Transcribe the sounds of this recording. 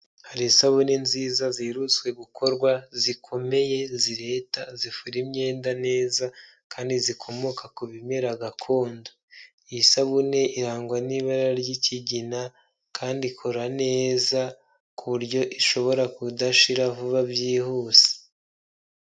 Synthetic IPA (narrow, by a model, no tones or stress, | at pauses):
haɾisaβunenziːzaziɾut͡swe̞ɡukʰo̞ɾɡwazikʰo̞me̞je̞ziɾe̞tazifuɾimɲe̞ːndane̞ːza | kaːndizikʰo̞mokʰakuβimeɾaɡakʰo̞ːndo | isaβune̞iɾaːŋɡwaniβaɾaɾjiciɟina | kʰaːndikʰo̞ɾane̞ːza | kuβuɾɟo̞ʔiʃo̞βo̞ɾakudaʃiɾavuβabjiːhuːse̥